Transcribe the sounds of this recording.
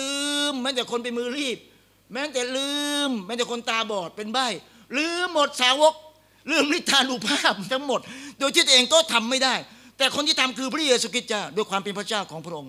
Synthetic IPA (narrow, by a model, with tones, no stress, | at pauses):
lɯː˧mːɛː˦˥t̪ɛː˨˩kʰo˧npa˧jmɯː˧ɾiː˥˩p̚ | mɛː˦˥t̪ɛː˨˩lɯː˧mːɛː˦˥t̪ɛː˨˩kʰo˧nt̪aː˧bɔː˨˩t̪̚pe˧nba˥˩j | lɯː˨˧˥mːo˨˩t̪̚saː˨˦wo˦˥k̚ | lɯː˥˩mɾi˦˥˩t̪ʰːaː˧duː˨˩pʰaː˥˩p̚t̪ʰa˦˥ŋmo˨˩t̪̚doː˧j̪t̪ʰiː˥˩o˧˨ʔeː˧ŋkɔː˥˩t̪ʰa˧mːa˥˩jdaː˥˩j | t̪ɛː˨˩kʰo˧nt̪ʰiː˥˩t̪ʰa˧mkʰɯː˧pʰɾa˥jeː˧suː˧kʰi˦˥t̪̚t͡ɕaː˥˩wdoː˧jkwaː˧mpe˧npʰɾa˥˩t͡ɕaː˥˩wkʰɔː˩˦ŋpʰɾa˥ʔo˧ŋ